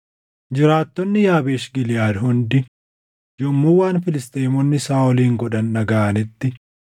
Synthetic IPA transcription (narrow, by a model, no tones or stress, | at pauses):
d͡ʒɪɾaːt̪ːɔnːɪjaːbeːʃɡɪlɪjaːd̪hʊnd̪ɪ | d͡ʒɔmːuːwaːnfɪlɪst̪ʼeːmɔnːɪsaːɔliːŋɡɔᶑɐnːɐɡaːɐnɪt̪ːɪ